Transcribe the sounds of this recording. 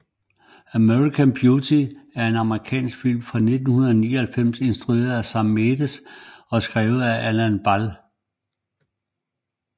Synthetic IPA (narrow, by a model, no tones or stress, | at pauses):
æmøʁikʰæmb̥ʰjut͡sʰiæɐe̝nɑ̈məʁikʰɛ̰ːnsɡ̥fil̰mfʁɑ̈ne̝d̥n̩hunɐðˠɒnḭːɒhælfem̰se̝nsd̥ʁue̝̰ːɐðˠæsɑmed̥əsɒ̽sɡ̥ʁɛːʊð̩ˠæʔælænb̥æl